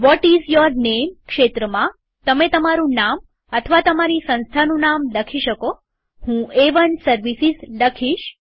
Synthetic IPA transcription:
ʋɔʈizjəɾnemkʃet̪ɾəmã | t̪əmet̪əmaɾũnam | ət̪ʰəʋat̪əmaɾisə̃ñst̪ʰanũnamləkʰiʃəko | hũeʋənsəɾʋisizləkʰiʃ

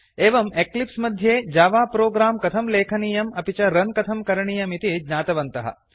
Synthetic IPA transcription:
eːʋɐmeklipsmɐd̪ʱjeːd͡ʒaːʋaːpɾoːɡɾaːmkɐt̪ʰɐmleːkʰɐniːjɐmɐpit͡ʃɐɾɐnkɐt̪ʰɐmkɐɾɐɳiːjɐmit̪id͡ʒnaːt̪ɐʋɐnt̪ɐɦɐ̰

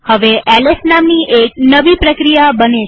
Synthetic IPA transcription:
həʋeʔɛlesnamniʔek̚nəʋipɾəkɾijabəne

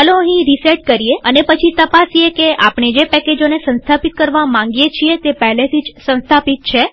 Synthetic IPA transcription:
ɦəloəɦĩɾiseʈ̚kəɾieənepət͡ʃʰit̪əpasiekeʔapɳ̃ed͡ʒepɛked͡ʒonesə̃nst̪ʰapit̪̚kəɾʋamãŋ̆ɡijet͡ʃʰiet̪epəɦɛlet̪ʰid͡ʒsə̃nst̪ʰapit̪̚t͡ʃʰe

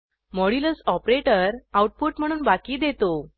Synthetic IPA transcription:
mɔɽiləsɔpɾeʈəɾauʈ̚puʈm̤əɽ̃uːnbakiːd̪et̪o

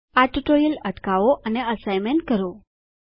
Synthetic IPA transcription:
aʈuʈojələʈkaʋoʔəneəsajmeɳʈkəɾo

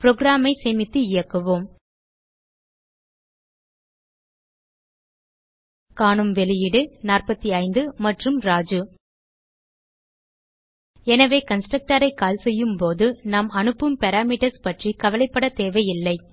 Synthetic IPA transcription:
pɪɾoːɡɾaːmɐɪsɛmɪt̪ːɯɪjɐkːɐʋoːm | kaːɳɯmʋɛlɪjɪɽɯnaːrpɐt̪ːiɐɪnd̪ɯmɐʈrɯmɾaːd͡ʒɯ | ɛnɐʋeːkɐnsʈrɐk̚ʈɐɾɐɪkaːlsɛjːɯmpoːðɯnaːmɐnɯpːɯmpɛɾaːmiːʈɐɾspɐʈrikɐʋɐlɐɪpːɐɽɐt̪eːʋɐɪjɪlːɐɪ

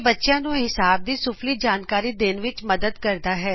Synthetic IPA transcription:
bətːʃjãːnũːɦɪsaːb̚d̪iːsʊfliːd͡ʒaːnkaːɾiːd̪ɪnʋɪt͡ʃməd̪əd̪kəɾd̪aːɦɛː

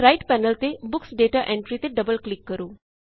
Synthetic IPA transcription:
ɾajʈpɛnəlt̪ebʊksɖeʈaʔẽɳʈɾit̪eɖəbəlklikːəɾuː

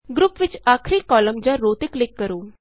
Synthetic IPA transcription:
ɡɾupʋit͡ʃakʰɾiːkɔləmd͡ʑaɾot̪iklɪkːəɾuː

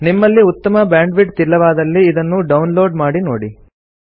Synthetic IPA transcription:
nimːɐlːiut̪ːɐmɐbaːɳɖʋiʈ̚t̪ilːɐʋaːd̪ɐlːiːd̪ɐnːuɖɐwnlo̞ːɖmaːɽinoːɽi

